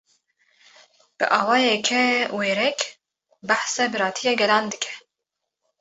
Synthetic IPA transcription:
b̥ɨ̰ʔɑːwɑːjɛkʰɛweːɾɛk | baħsɛbɨɾɑːt̪ʰijeɡɛlɑːnd̪ɨkʰɛ̥

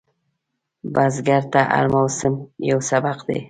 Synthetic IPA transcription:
bazɡaɾt̪aʔa̰ɾmawsɪmjawsabaqd̪ḛ

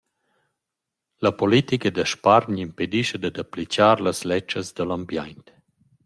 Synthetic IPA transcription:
ləpolit̪ikəd̪əʃpaɾɲimped̪iʃəd̪ad̪aplit͡ʃaːɾləslɛt͡ʃːəzd̪əlambjajnt̪

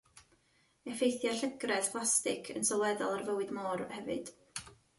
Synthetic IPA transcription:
ɛfejθjaɬəɡrɛðpʰlˠastɪ̰kʰə̰nsɔlˠwɛdɔlˠarvəwɨdmɔːrhɛvɨ̰d̥

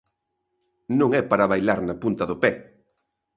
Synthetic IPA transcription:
nũŋɛpaɾaβajlaɾnɐpunt̪ɐðʊpɛ

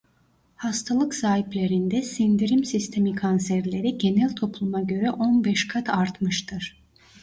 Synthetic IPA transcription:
hast̪ʰalˠɯksaːɦiplʲe̞ɾind̪ɛsind̪iɾimsist̪ʰe̞mikʰansæɾlʲe̞ɾiɟe̞nælʲt̪ʰo̞plˠumaɟø̞ɾɛʔo̞nbɛʃkʰat̪ʰaɾt̪mɯʃt̪ʰɯɾ̥

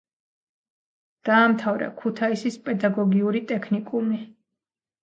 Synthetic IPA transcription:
d̪̥aːmt̪ʰavɾa̰kʰut̪ʰaisispʼɛd̪aɡɔɡiuɾit̪ʼɛkʰnikʼumi

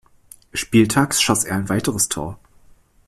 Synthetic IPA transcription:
ʃpiːltʰaːksʃɔseːɐaɪnvaɪtəʁəstʰo̰ːɐ

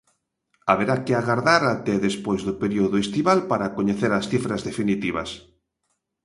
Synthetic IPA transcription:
aβeɾakɪaɣaɾðaɾat̪ɛðespojzðʊpeɾioðʊest̪iβalpaɾakoɲeθeɾasθifɾazðefinit̪iβɐ̰s

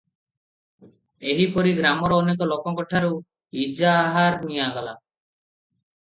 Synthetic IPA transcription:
eɦipɔɾiɡɾamɔɾɔːnek̬ɔlokɔkɔʈʰaɾu | id͡ʒaːɦaɾnijaɡɔla̰

